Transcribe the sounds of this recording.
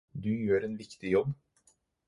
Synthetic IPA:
d̪ʉjøːɾeːnʋɪkt̪ɪjɔb

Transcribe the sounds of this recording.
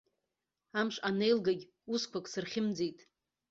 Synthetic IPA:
amʂʼane̞jlɡaɡʲ | uskʷʰakʼsɨrχʲɪmd͡zejtʼ

